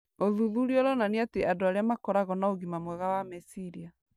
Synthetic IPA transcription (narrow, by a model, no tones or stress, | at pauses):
oðuðuɾiɔɾɔnaneateʔadoaɾeamakɔɾaɣɔnaoɣimamwɛɣawamesiɾia